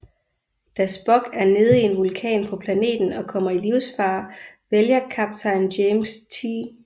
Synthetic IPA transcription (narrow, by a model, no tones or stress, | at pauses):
d̥æsb̥ɒ̽ɡ̥æɐne̝ð̞ˠie̝nʋulkʰɛ̰ːnpʰɒ̽pʰlæne̝̰ːd̥n̩ɒ̽kʰɒ̽m̰ɐiliʊsfɑ̈ːʋeljɐkʰɑb̥̚t͡sʰɑ̈ɪndemst͡sʰiː